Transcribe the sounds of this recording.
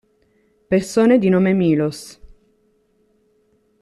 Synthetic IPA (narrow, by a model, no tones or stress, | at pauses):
persoːned̪inoːmemiːlos